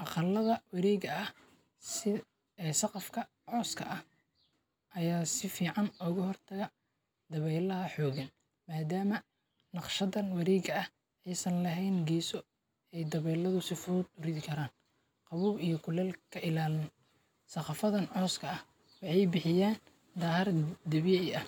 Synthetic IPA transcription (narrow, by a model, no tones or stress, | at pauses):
ʔɑqɑlːɐðɐwɑɾɛːɣɐʔɐh | sɪ | ɛːsɑqɑfkʰɐ | ʕɔːskʰɐ̰ʔɐh | ʔɐjaːsɪfiːʕɑnɔːɣɐɦɔrt̪ʰɐɣɐ | d̪ɐβɛjlɐɦɐħɔːɣɐn | maːd̪aːmɐ | nɑqʃɐðɐnwɑɾɛːɣɐɐh | ɛjsɐnlɐɦɛjnɡɛːsɔ | ɛjd̪ɐβɛːlɐðʊsɪfʊːd̪ʊɾɪðɪkʰɐɾaːn | qɑβuːbijɞkʰʊlɐlkʰɐʔɪlaːlɪn | sɐqɑfɐðɐnʕɔːskʰɐɐh | wɑħɑjbɪħɪjaːn | d̪aːhɐrd̪ɪβjɛɐ